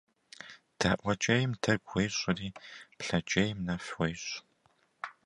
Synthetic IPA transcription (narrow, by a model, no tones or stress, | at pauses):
tʰaːʔʷɐt͡ʃʼɐjɪmtʰɐɡʷejɕʼɪriːpɬɐt͡ʃʼejmnɐfwejɕʼ